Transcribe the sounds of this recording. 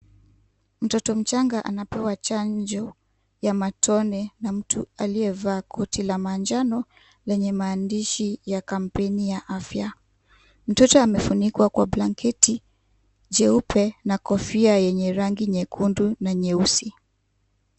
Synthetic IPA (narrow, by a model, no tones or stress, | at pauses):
m̩tɔtɔm̩t͡ʃaŋɡaʔanapɛwat͡ʃaɲd͡ʒɔ | jamatʰɔnɛnam̩tʰualiɛvaːkʰɔtilamand͡ʒanɔ | lɛɲɛmaːndiʃijakam̩pɛnijaʔafja | m̩tɔtɔamɛfunikwakwablaŋkʰɛti | d͡ʒɛupʰɛnakɔfiajɛɲɛɾaŋɡiɲɛkʰundunaɲɛusi